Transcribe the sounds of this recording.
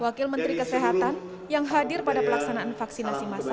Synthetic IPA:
wakɪlmənt̪ɾikəseɦat̪an | jaŋɦadɪrpadapəlaksanaʔanfaksinasimasa

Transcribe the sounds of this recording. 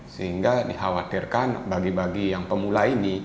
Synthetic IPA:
səɦiŋɡadihawat̪irkanbaɡibaɡijaŋpəmulaini

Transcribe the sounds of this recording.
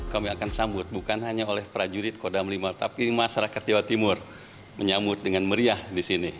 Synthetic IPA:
kamiakansambʊt̪̚bukanɦaɲaolɛhpɾad͡ʒuɾɪt̪̚kodamlimart̪apimaʃaɾakat̪̚d͡ʒewat̪imʊr | məɲambʊt̪̚dəŋanməɾiahdisini

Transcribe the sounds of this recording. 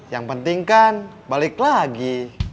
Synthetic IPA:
jaŋpənt̪iŋkan | balɪklaɡi

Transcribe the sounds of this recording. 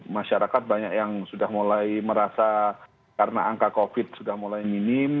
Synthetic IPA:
maʃaɾakat̪̚baɲakjaŋsudahmulajməɾasa | kaɾəna̰aŋkakofɪt̪̚sudahmulajminɪm

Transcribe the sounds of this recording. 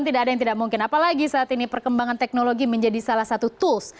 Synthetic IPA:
nt̪idaadajaŋt̪idaʔ̚muŋkɪnapalaɡisaʔːt̪inipərkəmbaŋant̪ɛk̚noloɡiməɲd͡ʒadisalahsat̪ut̪uls

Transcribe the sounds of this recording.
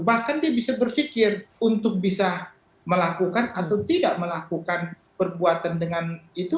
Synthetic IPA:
bahkandiabisabərfikɪrunt̪ʊk̚bisa | məlakukanat̪awt̪idaʔməlakukan | pərbuat̪andəŋanit̪u

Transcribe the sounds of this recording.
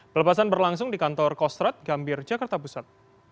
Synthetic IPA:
bələpasanbərlaŋs̬ʊŋdikant̪ɔrkɔst̪ɾat̪̚ɡambɪrd͡ʒakart̪apusat̪̚

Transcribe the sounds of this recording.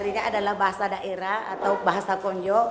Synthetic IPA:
ɾiɲaːdalahbaɦasadaʔɛɾaa̰t̪awbaɦasakɔɲd͡ʒɔ

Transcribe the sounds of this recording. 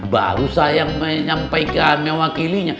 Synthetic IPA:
ba̰ɾusajaŋməɲampajkanmewakiliɲa

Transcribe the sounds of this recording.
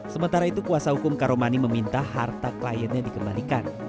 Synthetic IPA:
səmənt̪aɾait̪ukuasahukʊmkaɾomaniməmint̪ahart̪aklajənɲadikəmbalikan

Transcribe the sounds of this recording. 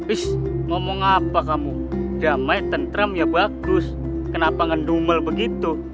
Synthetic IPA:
wɪsŋɔmɔŋapakamu | d͡ʒamait̪ənt̪ɾəmjabaɡ̥ʊs | kənapaŋənduməlbəɡit̪u

